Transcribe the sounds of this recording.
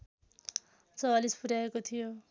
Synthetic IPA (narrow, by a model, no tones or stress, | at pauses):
t͡sʌwalispuɾjaekot̪ʰijo